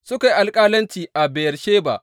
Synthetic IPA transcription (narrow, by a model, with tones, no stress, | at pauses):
sʊ˦ka˨ji˦ʔa˨lkʼaː˦lɐ˦nt͡ʃiː˨ʔa˨be˨jɐ˨rʃeː˦ba̰˨ʔ